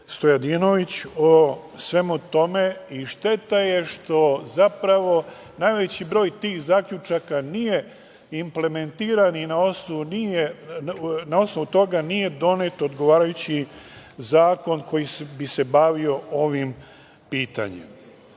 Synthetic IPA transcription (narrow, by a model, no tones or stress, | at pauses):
st̪o̞jad̪ino̞ʋit͡ɕo | sʋe̞mut̪o̞me̞iʃt̪e̞t̪aje̞ʃt̪o̞zapɾaʋo̞ | najʋe̞t͡ɕibɾo̞ːjt̪iːxzaːkʎʲut͡ʃakanije̞ | imple̞ment̪iːɾaninao̞snoʋunije | nao̞sno̞ʋut̪o̞ɡanije̞d̪o̞ne̞t̪od̪ɡo̞ʋaːɾajut͡ɕizaːko̞nkʰo̞jisbise̞baʋio̞o̞ʋim | piːt̪a̰ɲḛm